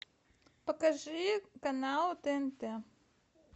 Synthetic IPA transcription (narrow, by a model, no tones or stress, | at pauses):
pɐkɐʐɨkɐnalˠt̪ɛɛnt̪ɛ